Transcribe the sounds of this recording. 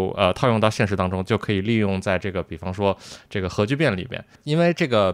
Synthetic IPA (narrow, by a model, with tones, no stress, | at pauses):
ʊə̰˧t̪ʰɑ˥˧ʊjʊ˥˧ŋt̪ɑ˥˧ʊɕjɛ˥˩nʂɻ̩˧˥t̪ɑ˥ŋʈ͡ʂʊ˥ŋt͡ɕjo˥˩ʊkʰɤ˧˥i˨˩li˥˧jʊ˥˧ŋt͡sa˥˧ɪʈ͡ʂɤ˥˩ɡə˩pi˨˩fɑ˥ŋʂwɔ˥ʈ͡ʂɤ˥˩ɡə˩xɤ˧˥t͡ɕy˥˧pjɛ˥˩nlḭ˨˩mjɛ̰˥˧˩n | i˥nwe˥˧ɪʈ͡ʂɤ˥˩ɡə˩